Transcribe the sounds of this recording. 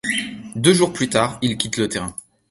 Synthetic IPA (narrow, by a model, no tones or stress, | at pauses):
d̪øʒuʁplyt̪aʁilkʲit̪lət̪eʁɛ̃